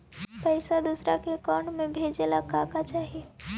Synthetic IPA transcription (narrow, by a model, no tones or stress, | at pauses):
pɛɪsad̪usɾakekaːɳmẽbʱeːd͡ʒelakaːkat͡ʃaːɦie